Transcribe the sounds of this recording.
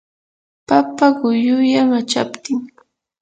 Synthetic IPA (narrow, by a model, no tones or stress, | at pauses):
papaɢʊjʊjaŋat͡ʃa̰pt̪ɪŋ